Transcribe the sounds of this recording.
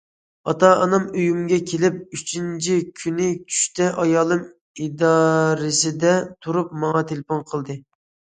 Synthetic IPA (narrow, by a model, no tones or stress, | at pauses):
ɑt̪ɑɑnɑmøjymɡʲɛkʲʰelɪp̚yt͡ʃʰint͡ʃʰikʲʰynɪt͡ʃʲʰy̥ʃt̪ɛʔɑjɑːlˠɨm | id̪ɑɾɪsɪd̪ɛt̪ʰuɾup̚mɑŋɑt̪ʰelfonqʰəlˠd̪ɨ